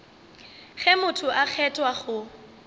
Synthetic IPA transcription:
χɛmʊtʰʊʔak͡xʰɛtʼwaχʊ

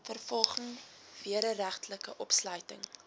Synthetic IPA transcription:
fərfɔlˠχəŋ | viəɾəɾæχtləkəʔɔpslœɥtəŋ

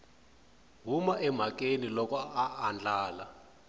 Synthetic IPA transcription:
ɦumaʔɛm̤akenilɔkɔaːnd͡ɮaːla

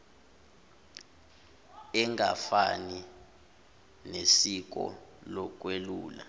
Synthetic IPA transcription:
ɛŋɡafani | nesik̬ɔ̰lɔk̬ʼweluːla̰

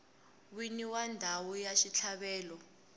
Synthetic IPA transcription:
winiwandʱawɔjaʃit͡ɬʰaɓɛːlɔ

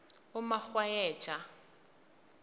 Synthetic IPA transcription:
ʊmak͡xwaɛːt͡ʃʼa

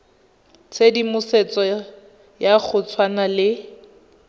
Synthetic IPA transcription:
t͡sʰedimʊset͡sʼɔ | jak͡xʰʊt͡sʰwanalɪ

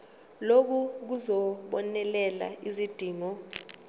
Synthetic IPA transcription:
lok̬uk̬uzɔɓɔnɛlɛla̰izid̥ʱiːŋɔ

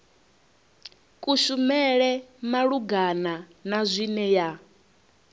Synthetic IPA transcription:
kʼuʃumɛɺɛmaɺuɡananazʷinɛja

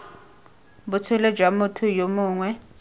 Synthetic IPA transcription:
bʊt͡sʰʊled͡ʒʱwamʊtʰʊjomʊːŋwɛ

